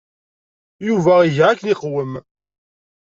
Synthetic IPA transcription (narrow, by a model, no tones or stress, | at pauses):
juvæiʝækːniqwəm